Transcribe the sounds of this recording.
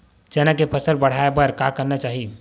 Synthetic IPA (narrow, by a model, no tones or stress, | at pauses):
t͡ʃɛnakepʰəsəɾbəɽ̤aebəɾkakəɾnat͡ʃaːɦi